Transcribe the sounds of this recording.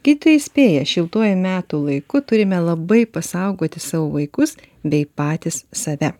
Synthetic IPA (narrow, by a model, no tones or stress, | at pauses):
ɡʲɪd̪ʲɪt̪ojɛɪsʲpʲeːjɛʃʲɪlˠt̪uɔjʊmʲæːt̪uːlˠɐɪkʊt̪ʊɾʲɪmʲɛlˠɐbɐɪpɐsɐʊɡoːt̪ʲɪsɑːʋoːʋɐɪkʊs | bʲɛɪpɑːt̪ʲɪssɐʋʲɛ